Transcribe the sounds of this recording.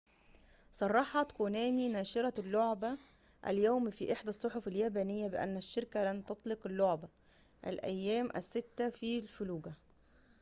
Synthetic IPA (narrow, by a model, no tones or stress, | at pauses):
sˤɑrˤːɑħɑt̪konæːminæːʃɪɾˤɑlːoʕbæ | ʔæ̰ljæwmfiːʔeħd̪æsˤːoħofæljæːbæːnɪjːæbɪʔæ̰nːæʃːɪɾkælæmt̪ɑt̪ˤleqɪlːoʕbæ | ʔæ̰lʔæ̰jːæːmʔæ̰sːɪt̪ːæfilfʊluːɡæ